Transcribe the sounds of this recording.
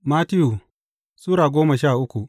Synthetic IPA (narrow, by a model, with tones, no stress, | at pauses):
maː˦tɪ˦ju˨ | suː˦ɽaː˨ɡʷoː˦ma˨ʃaː˦˨ʔʊ˦kʷu˨ʔ